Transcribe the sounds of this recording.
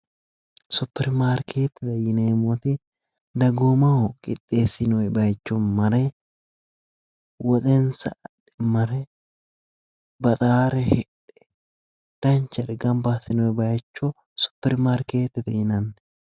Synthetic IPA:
sʊpːɪɾmaːɾkʰeːt̪ɪt̪ɐjɪneːmɔt̪ɪ | d̪ɐɡomɐhokʼɪt̪ʼːeːsɪnɔɪbɐɛt͡ʃːʊmɐɾe | wɔt̪ʼɛnsɐɐᶑɛmɐɾɛ | bɐt̪ʼaːɾɛhɛᶑɛ̥ | d̪̥ɐnt͡ʃɐɾɡɐmbaːsɪnɔɪbɐjɛt͡ʃːo | sʊ̥pːɪɾmaːɾkeːt̪ɪt̪ɐjɪnɐnː

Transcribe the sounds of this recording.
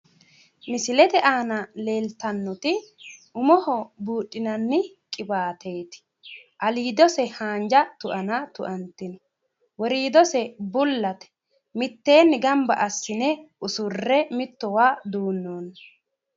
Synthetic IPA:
mɪsɪlɛt̪ɛʔaːnɐle̞ːlt̪ɐnːɔt̪ɪʊmɔhɔbuːɗʼːɪnɐnːɪ | kʼɪbaːt̪ʰe̞ːt̪ɪ̥ | ʔɐliːd̪ɔsɛhaːnd͡ʒɐt̪ʊʔɐnɐt̪ʊ̰ʔɐnt̪ɪnɔ | wɔɾiːd̪ɔsɛbʊlːɐt̪ɛ̥ | mɪt̪ːe̞ːnːɪɡɐmbɐʔɐsːɪnɛʔʊsʊrːɛmɪt̪ːɔwaːd̪uːnːoːn

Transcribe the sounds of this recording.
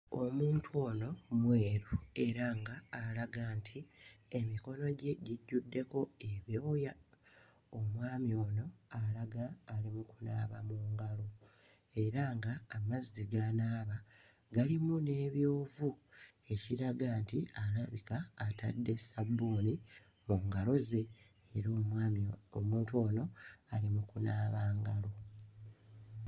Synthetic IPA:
o̞muːntʰuo̞ːno̞mwe̞ːɾue̞ɾaŋɡaːlaɡaːntʰie̞miko̞no̞ɟe̞ɟiɟːudːe̞ko̞e̞βjo̞ːja | o̞mwaːmio̞ːno̞alaɡaːlimukuna̰ːβa̰muːŋɡalo | e̞ɾaŋɡaːmazːiɡanaːβa | ɡalimune̞ːβjo̞ːvue̞ciɾaɡantialaβikaːtadːe̞sabːoːni | muːŋɡalo̞ze̞ː | ɾo | omuːntuo̞ːno̞alimukunaːβaːŋɡalo̞

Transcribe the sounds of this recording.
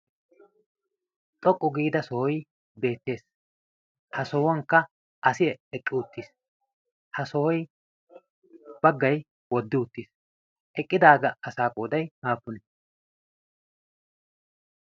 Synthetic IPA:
t̪ʼɔkʼːʊɡiːd̪ɐsɔhɔj | be̞ːt̪ːe̞ːs | hɐsɔwɐŋkːɐ | ʔɐsɪɛɛkʼːɪʊt̪ːiːs | hɐsɔhɔj | b̥ɐɡːɐj | wɔd̪ːɪʊt̪ːiːs | ʔɛkʼːɪd̪aːɡɐɐsaːkʼoːd̪ɐjmaːpːʊnɛ

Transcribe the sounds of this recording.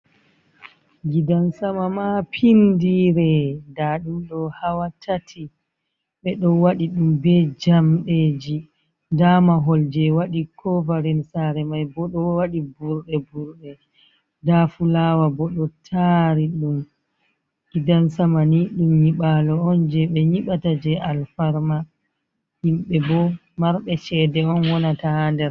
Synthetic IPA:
ɡidansamamapʰindiɾɛdaɗumɗɔhawatʰatʰi | ɓɛɗɔwaɗiɗumbɛd͡ʒamɗed͡ʒi | ndaːmaɦɔld͡ʒɛwaɗikʰɔvaɾinsaɾɛmajbɔɗɔwaɗibuɾɗɛbuɾɗɛ | dafulawabɔɗɔtʰaɾiɗum | kidansamaniɗumɲiɓalɔɔnd͡ʒɛɓɛɲiɓatad͡ʒɛʔalfaɾma | himɓɛbɔ | maɾɓɛʃɛdɛɔnwɔnatahandɛɾ

